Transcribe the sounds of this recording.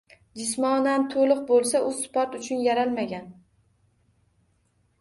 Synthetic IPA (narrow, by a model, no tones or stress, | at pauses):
d͡ʒɪsmɒnant̪ʰolˠɨq̚bolˠsaʔʊspɒɾt̪ʊt͡ʃʰʊnjaɾalmaɡʲan